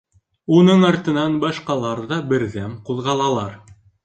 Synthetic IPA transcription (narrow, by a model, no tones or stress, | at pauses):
unɤɴɑɾt̪ɤ̆nɑnbɑʃqɑlˠɑɾðɑbɘ̆ɾðæmqulˠʁɑlˠɑlˠɑɾ